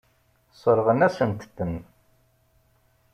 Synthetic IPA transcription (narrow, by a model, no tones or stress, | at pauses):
sˤəɾʁənæsənt̪əd̪ən